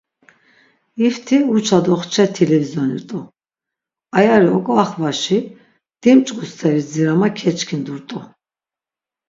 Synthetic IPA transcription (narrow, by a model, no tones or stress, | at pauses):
ift̪ʰiut͡ʃʰad̪ɔχt͡ʃʰɛt̪ʰɛlɛvizɔnḭɾt̪ʼɔ | ajaɾiɔkʼaχvaʃi | d̪̥imt͡ʃʼχʼust̪ʰɛɾid͡ziɾamakʰɛt͡ʃʼkʰind̪uɾt̪ʼɔ